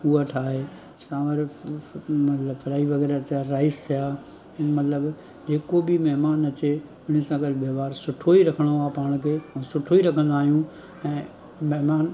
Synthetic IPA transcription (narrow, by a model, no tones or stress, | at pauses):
uaʈʰaːɦeː | sãːʋɐɾ | mɐt̪ləbfɐɾaːiʋɐɣɛːɾatʰjaɾaːɪzt̪ʰijãː | mɐt̪ləb | d͡ʑeːkobɪmɛɦmaːnɐt͡ɕe | ʊñ̤ɪsãːɡəlʋɐʋaːɾsʊʈʰoiɾɐkʰəɽ̃oaːpaːɽ̃kʰeːãsʊʈʰoiɾɐkʰə̃nd̪aːɦijũ | ɛ̃ː | mɛɦmaːn